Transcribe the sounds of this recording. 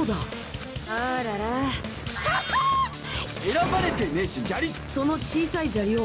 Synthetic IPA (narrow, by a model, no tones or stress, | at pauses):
od̪a | aɾaɾa | eɾabaɾe̞t̪eneɕid͡ʑaɾʲi | so̞no̞t͡ɕiːsaid͡ʑaɾʲio